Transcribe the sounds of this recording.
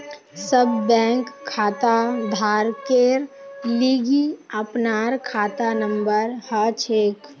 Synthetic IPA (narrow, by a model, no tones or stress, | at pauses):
səbːɛ̃ːŋkʰːaːt̪ad̪ʱaːɾkeɾliːɡiəpnaːɾkʰaːt̪anə̃mbəɾhət͡ʃʰeːk